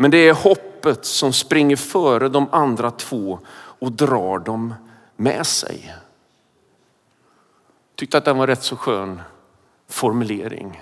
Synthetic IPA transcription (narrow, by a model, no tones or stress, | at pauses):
mɛnd̪ɛæɾhɔpːət̪sɔmspɾɪŋːəɾfœːɾəd̪ɔmand̪ɾat̪ʰv̥oːɔd̪ɾɑːɖɔmː | ɛ̰sɛ̰j | t̪ʰʏk̚t̪əat̪̚d̪ɛnvaɾɛt̪ːsɔɧøːn | fɔɾmɵlḛːɾɪ̰ŋ